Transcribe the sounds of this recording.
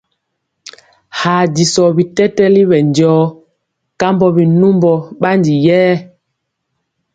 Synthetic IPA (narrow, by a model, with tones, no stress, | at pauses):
ha˨ɟi˨sɔ˨bi˨tɛ˦tɛ˦li˦βɛ˨nɟɔː˨˦ | ka˦mbɔ˦bi˨nu˦mbɔ˨ɓa˦ndi˨jɛː˦